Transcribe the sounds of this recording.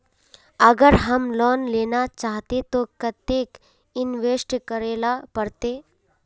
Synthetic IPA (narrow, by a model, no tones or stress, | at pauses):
əɡəɾɦəmlɔːnleːnat͡ʃaːɦt̪et̪okɐt̪eːk | ɪnʋeːsʈkəɾeːlapəɾt̪eː